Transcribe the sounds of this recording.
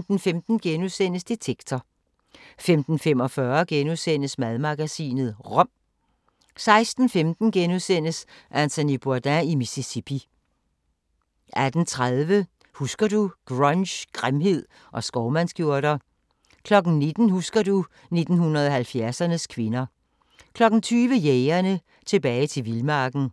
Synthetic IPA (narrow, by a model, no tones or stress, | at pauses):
d̥n̩femd̥n̩ɡ̥enuðˠsen̰əsd̥e̝t͡sʰeɡ̥t͡sʰɒ | femd̥n̩fem̰ɒ̽fɶɐɡ̥enusen̰əsmæðˠmɑ̈ɡ̥æsḭːnð̩ˠʁɔ̽m̰ | sɑ̈ɪsd̥n̩femd̥n̩ɡ̥enuðˠsen̰əsʔænt͡sʰænib̥oɐd̥æimisisipʰi | ʔæd̥n̩t͡sʰʁaðˠʋə | husɡ̥ɐduɡ̥ʁɑnɕɡ̥ʁamɦe̝ð̞̰ˠ | ʔɒ̽sɡ̥ɒʊmænsɡ̥jo̝ɐɾ̥ɐ | kʰlɒ̽ɡ̥n̩ne̝d̥n̩husɡ̥ɐdu | ne̝d̥n̩hunɐð̞ˠɒ̽ɦælfjæɐsɐnəskʰʋe̝nɐ | kʰlɒ̽ɡ̥n̩t͡sʰyːʋəjeɪɐnə | t͡sʰe̝b̥ɛːɪt͡sʰe̝lʋilmɑ̈ːɡ̥n̩